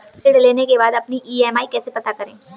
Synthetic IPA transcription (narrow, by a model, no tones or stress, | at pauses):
ɪɽleːnekebaːd̪ɐpniʔiːɛːmaːikɛːsepɐt̪akɐɾḛ̃ː